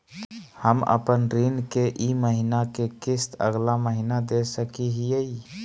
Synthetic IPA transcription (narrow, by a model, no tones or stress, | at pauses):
həmə̰pənɾinkeʔiməɦinakekɪst̪ʰə̰ɡlaməɦinad̪esəkiɦijəi